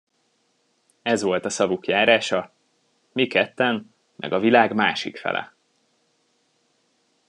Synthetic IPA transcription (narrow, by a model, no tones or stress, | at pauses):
ɛzʋo̞lt̪ɒsɒvukjaːɾaːʃɒ | mikɛt̪ːɛn | mʔɛ̰ɡɒvilaːɡmaːʃikfɛ̰lʔɛ̰